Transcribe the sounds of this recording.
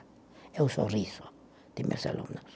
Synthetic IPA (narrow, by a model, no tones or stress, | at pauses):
euso̰riso | t̪imːḛsḛlːo̰mnɑ